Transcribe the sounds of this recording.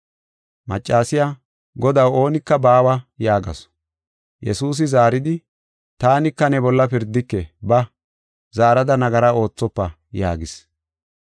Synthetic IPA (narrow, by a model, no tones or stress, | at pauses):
mɐt͡ʃʼːaːsɪja | ɡɔd̪ɐwo̞ːnɪkːɐbaːwɐjaːɡɐ̰s | jɛsuːs̬ɪzaːɾɪd̪ɪ | t̪aːnɪkːɐnɛbɔlːɐpɪɾd̪ːɪkːɛbɐ | zaːɾɐd̪ɐnɐɡɐɾao̞ːt͡sːɔpːɐ | ja̰ːɡɪs